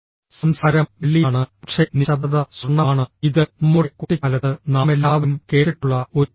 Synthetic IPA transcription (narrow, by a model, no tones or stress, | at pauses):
sɐmsaːɾɐmʋeɭːijaːɳɨɐkʂeniɕɐbɐðɐsruɳːɐaːɳɨiðɨmuɽekoʈːikːɐlɐt̪ːɨnaːme̞lːaːʋimke̞ːʈiʈːuɭːɐo